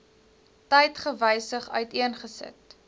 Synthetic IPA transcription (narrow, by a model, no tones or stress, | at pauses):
təjtχəvəjsəχœ̰ɥtiənχəsə̰t